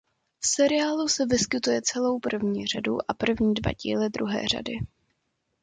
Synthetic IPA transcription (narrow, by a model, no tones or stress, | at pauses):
fsɛɾɪaːlusɛvɪskɪt̪ujɛt͡sɛlo̞wpr̩vɲiːr̝aduʔapr̩vɲiːdva̰ɟḭːlɛd̪ɾuɦɛ̰ːr̝a̰dɪ